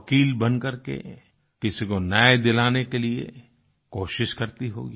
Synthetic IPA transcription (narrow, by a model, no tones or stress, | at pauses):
ɐkiːlbɐnkɐɾkḛ | kɪsikonaːjd̪ɪlaːnekeliḛ | koːʃɪʃkɐɾt̪iɦo̰ːɡiː